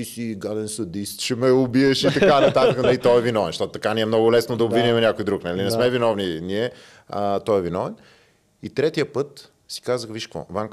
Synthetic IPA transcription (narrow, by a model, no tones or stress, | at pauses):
iʃiɡad̪ɛnsɐd̪ist̪ʃɛmɛʊbiɛʃit̪ɐkanɐt̪at̪əkənɐlit̪ɔɛvinɔvɛnʃt̪ɔt̪ʊt̪ɐkaniɛmnɔɡʊlɛsnod̪ɐobvinimɛnʲakojd̪ɾuknalinɛsmɛvinɔvniniɛ | ət̪ɔɛvinɔvɛn | it̪ɾɛt̪ijəpɤt̪ | si̥kazəxviʃkvɔ̰vaŋ